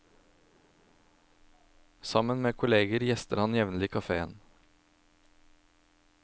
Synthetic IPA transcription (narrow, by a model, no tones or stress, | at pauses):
sɑmənmeːkʰʊleːɡəɾjɛst̪əɾhɑnjɛʋnəl̩iːkʰɑfeːə̰n